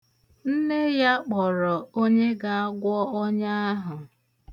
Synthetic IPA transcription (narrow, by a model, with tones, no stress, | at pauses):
n̩˦ne˦ja˦k͡pɔ˨ɾɔ˨o˦ɲe˦ɡa˨a˦ɡʷɔ˦ɔ˦ɲa˦a˦ɦʊ˨